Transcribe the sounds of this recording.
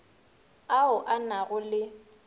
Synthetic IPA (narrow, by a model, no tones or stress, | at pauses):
aʊʔanaɣʊlɪ